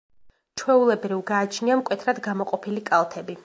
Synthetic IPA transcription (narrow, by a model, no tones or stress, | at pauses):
t͡ʃʰwɛulɛbɾivɡaːt͡ʃʰniamkʼwɛt̪ʰɾad̪ɡamɔqʼɔpʰilikʼalˠt̪ʰɛbi